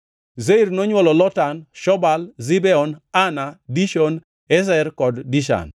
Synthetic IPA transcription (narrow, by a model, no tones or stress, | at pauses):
zeiɾnɔɲwɔlɔlɔtanʃɔbalzibɛɔnanadiʃɔn | ɛs̬ɛrkɔddiʃa̰n